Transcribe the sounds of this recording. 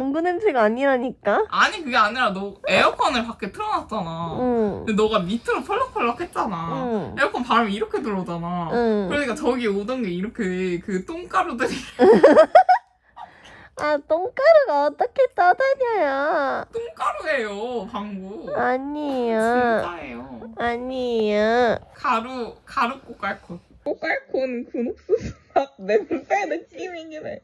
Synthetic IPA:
aŋɡunɯnd͡ʑɯɡaaɲiɾaɲik͈aaɲikɯɡeaɲiɾanoe̞ʌkʰʌnɯɭpak͈e̞pʰɯɾʌnat̚t͡ɕ͈anaɯnenʌɡamitʰɯɾopʰʌɭːʌkʰʌɭːʌkʰe̞t̚t͡ɕ͈anaɯe̞ʌkʰʌnpaɾamiːɾʌkʰe̞tuɾʌd͡ʑanaɯkɯɾʌɲik͈at͡ɕʌɡieodʌnɡeiɾʌkʰekɯt͈oŋk͈aɾodɯɾi | at͈oŋk͈aɾoɡaʌt͈ʌkʰet͈ʌdaɲʌjot͈oŋk͈aɾuɦejopaŋɡuaɲioaejoaɲiokaɾukaɾuk̚k͈ok͈aɭkʰok͈ok͈aɭkʰonkunok̚s͈usʰ | anenus͈enek͈ːimeŋinḛ

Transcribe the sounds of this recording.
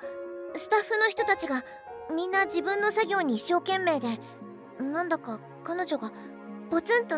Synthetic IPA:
sɨ̥t̪aɸːɯno̞çi̥t̪o̞t̪at͡ɕiɡa | mʲĩnːad͡ʑibɯ̟̃nːo̞saɡʲo̞ːɲ̟iːɕːo̞ːkẽ̞mːe̞ːd̪e̞ | nãnd̪aka | kano̞ʑoɡa | pot͡sẽnt̪o

